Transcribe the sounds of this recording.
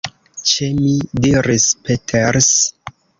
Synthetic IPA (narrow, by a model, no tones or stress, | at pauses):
t͡ʃemidiɾispetʰeɾs